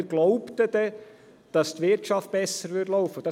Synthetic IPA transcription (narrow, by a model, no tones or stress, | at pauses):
ɾɡ̥lɔʊpt̪əd̥ɛ | d̥ɑstʋɪɾtt͡ʃɑft̚b̥ɛsəɾʋʏtlɔʊfəd̥ɑ